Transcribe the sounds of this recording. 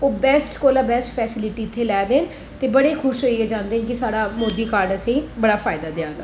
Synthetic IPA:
oːbɛːsʈkoːlaːbɛːsʈpʰɛːsɪlɪʈiːɪt̪ʰːeːlɛːd̪eːn | t̪eːbəɽeːkʰʊʃɦoːiɛːd͡ʒãːnd̪eːnk̬ɪsaːɽaːmoːd̪iːkaːɾɖəsĩːbəɽaːfʰaːɪd̪aːd̪ɪãːɡaː

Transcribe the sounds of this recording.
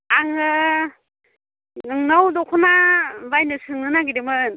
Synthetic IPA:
aŋɯ | nɯŋnawdɔkʰɔnabajnɯsɯŋɯnaɡidɯmɯn

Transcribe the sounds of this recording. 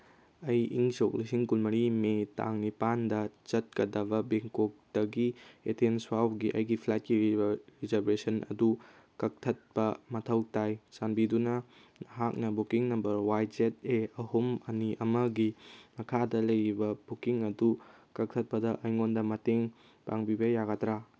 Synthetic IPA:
ɐjḭŋsok̚lisiŋkulmɐɾimeta̰ŋnipandɐt͡ʃɐt̚kɐdɐbɐbeŋkok̚d̥ɐɡietʰenswawɡiʔɐ̰jɡipʰlat̚kiɾizɐbɾesɐnɐ̰du | kɐk̚tʰɐt̚pɐmɐtʰɐwtajsanbidunɐ | ɦak̚nɐbukiŋnɐmbɐɾwajd͡ʒet̚eɐhumɐniʔɐmɐɡimɐkʰadɐlɐjɾibɐbukiŋɐdukɐk̚tʰɐt̚pɐdɐʔɐjŋondɐmɐteŋ | pa̰ŋbibɐjaɡatɾa

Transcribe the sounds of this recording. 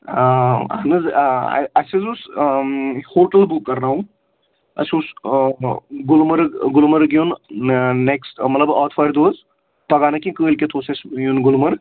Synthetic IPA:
a̰nɨz̰ | ɐsizus | hoːʈəlbukːɐɾnaːɦũ | ɐ̰sus | ɡulmɐɾɡʊlmɐɾɡjunneksʈmɐt̪ləbɔːt̪ʰfɐjɾd̪oːz | pɐɡaːnɐkĩkəːlʲkʲet̪ʰoːsesjunɡʊlmɐɾ

